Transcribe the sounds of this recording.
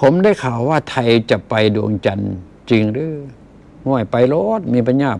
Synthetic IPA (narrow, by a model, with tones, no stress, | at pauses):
pʰo˧˦mda˧˥˩jkʰaː˨˩wːaː˧˩t̪ʰa˧jt͡ɕa˧˩pa˧jdṵ˧˩əŋt͡ɕa˧n | t͡ɕi˧ŋɾɯː˧˩ | hɔ˧˩˨jpa˧jloː˧˥˩t̪̚miː˧˥˨pʰa˧nɲaː˧˩p̚